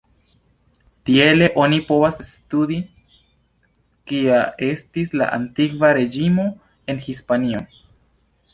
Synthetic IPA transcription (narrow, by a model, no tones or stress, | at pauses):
tie̞le̞ʔo̞nipo̞vasstudi | kiae̞stisla̰ʔa̰ntikvaɾe̞d͡ʒimo̞ | e̞nhispanio̞n